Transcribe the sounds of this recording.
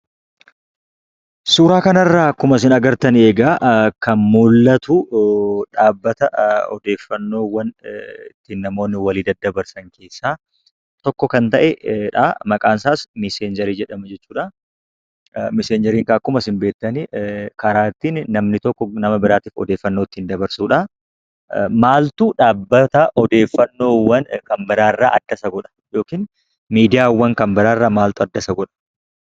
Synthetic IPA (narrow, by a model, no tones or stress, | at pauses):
suːɾaːkɐnɐrːaːɐkːʊmɐs̬ɪnɐɡɐɾt̪ɐneːɡaːkɐnmulːɐt̪ʊᶑaːbːɐt̪ɐɔd̪e̞ːfːɐnːo̞ːwɐnt̪ɪnːɐmo̞ːnːɪwɐliːd̪ɐd̪ːɐbɐɾsɐŋke̞ːsːaː | t̪ɔkːɔkɐnt̪ɐʔɛᶑa̰ːmɐkʼaːnsaːsmɪseːnd͡ʒɛɾiːd͡ʒɛᶑɐmɐd͡ʒɛt͡ʃːuːᶑɐ | mɪseːɲd͡ʒɛɾiːŋkɐɐkːʊmɐsɪmbe̞ːt̪ːɐnikɐɾaːt̪iːnːɐmnɪt̪ɔkːɔnɐmɐbɪɾaːt̪iːfɔ̰d̪e̞ːfːɐnːoːt̪ːɪnd̪ɐbɐɾsuːᶑɐ | maːlt̪uːᶑaːbːɐt̪ɐʔɔd̪e̞ːfːɐnːo̞ːwːɐnkɐmbɐɾaːɪrːaːʔɐd̪̥ːɐsɐɡɔᶑɐ̥jo̞ːkiːn | miːd̪ɪjaːwːɐŋkɐmbɐd̪aːɪrːaːmaːlt̪ʊɐd̪ːɐsɐɡɔᶑɐ̥